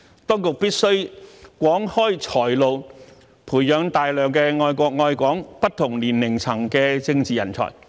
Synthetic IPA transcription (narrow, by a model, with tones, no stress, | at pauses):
t̪ɔː˥ŋkʊ˨k̚piː˥t̚sɵ˥ɥkwɔː˨˥ŋhɔː˥jt͡ʃʰɔː˨˩jlo˨w | pʰuː˨˩jjœː˨˧ŋt̪aː˨jlœː˨˧ŋkɛ˧ŋɔː˧jkʷɔː˧k̚ŋɔː˧jkʷɔː˨˥ŋpɐ˥t̚t̪ʰʊ˨˩ŋliː˨˩nlɪ˨˩ŋt͡sʰɐ˨˩ŋkɛː˧t͡sɪ˧ŋt͡siː˨˩jɐ̰˨˩nt͡sʰɔ̰ː˨˩j